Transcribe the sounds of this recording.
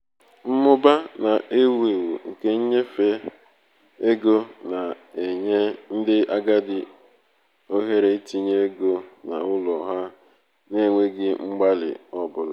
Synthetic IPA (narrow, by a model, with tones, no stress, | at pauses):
m̩˦mʊ˦ba˦na˨ʔe˦wu˦e˨wu˨ŋ̩˨ke˦ɲ̩˦ɲe˦fe˦ | e˦ɡo˦na˨ | e˨ɲe˦n̩˦dɪ˦ʔa˦ɡa˦dɪ˨ | o˦ɦe˦ɾe˦ti˦ɲe˦ɡo˦na̰˨ʊ˦lɔ˨ɦa˦ | ne˦˨ŋʷe˦ɡɪ˦ŋ͡m̩˦ɡ͡ba˦lɪ̰˨ɔ˦bʊ˨la˨